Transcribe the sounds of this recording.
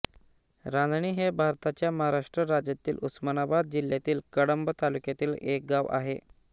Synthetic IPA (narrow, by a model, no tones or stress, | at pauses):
ɾãndɳiːɦebʱaɾt̪at͡ɕjaməɦaɾaʂʈɾəɾad͡ʑjat̪iːlṵsmənabad̪̚d͡ʑiljat̪iːlkəɽəmbət̪alukjat̪iːlek̚ɡaʋʔa̰ɦe